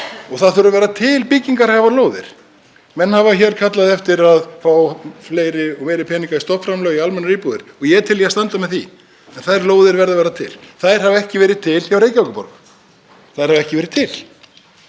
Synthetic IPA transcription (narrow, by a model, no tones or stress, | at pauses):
ɔɣθaðθʏɾʏɾvɛːɾat̪ʰɪlpicːiŋkaɾaɣavaloːwðɪ̰ɾ̥ | mɛnːhavaçɛɾkʰat̪laðɛft̪ɪɾaðfaːwfleːjɾɪɔɣmeːjɾɪpʰɛːniŋkaist̪ɔpfɾamlœːɣialmɛnːaɾiːpuðɪ̰ɾ̥ɔɣjɛt̪ʰɪljɛast̪ant̪amɛðθi | ɛnθaðɾloːwðɪɾvɛɾðavɛːɾat̪ʰɪ̰lθaðjɾ̥havɛhcɪvɛːɾɪt̪ʰɪlçawɾeːjcawkʏpɔ̰ɾk | θaðɪɾ̥havɛhcɪvɛːɾɪðt̪ʰɪl